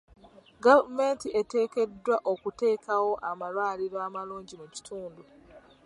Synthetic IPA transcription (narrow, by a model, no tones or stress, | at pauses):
ɡavme̞ntiʔe̞te̞ːke̞dːwaʔokute̞ːkʰawo̞ʔamalwaːliɾoamaluːɲɟimuci̥tʰuːndu